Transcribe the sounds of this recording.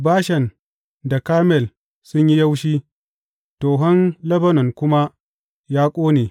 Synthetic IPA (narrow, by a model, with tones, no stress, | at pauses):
baː˦ʃɛ˨n | da˨kaː˦mɛ˨l | sʊ˦ɲji˦ja˦wʃiː˦ | toː˨ɦɔ˦nlɐ˦bɐ˦nɔ˨ŋkʷʊ˦ma˦ | jaː˦kʷʼoː˦neː˨